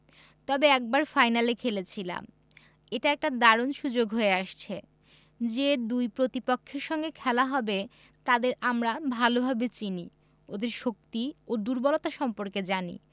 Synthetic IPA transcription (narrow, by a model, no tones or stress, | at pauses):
t̪ɔbeɛk̚baɾfajnalekʰelet͡ɕʰila̰m | eʈaɛk̚ʈad̪aɾonʃud͡ʑoɡɦoeaʃt͡ɕʰe | d͡ʑed̪ujpɾot̪ipokʰːeɾʃɔŋɡekʰɛlaɦɔbe | t̪ad̪eɾamɾabʱalobʱabet͡ɕini | od̪eɾʃok̚t̪iod̪uɾbɔlot̪aʃɔmpoɾked͡ʑanḭ